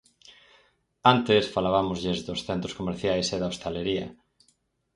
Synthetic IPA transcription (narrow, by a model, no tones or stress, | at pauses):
ant̪esfalaβamʊzʎezðosθent̪ɾoskomeɾθjajseðɐost̪aleɾiɐ̰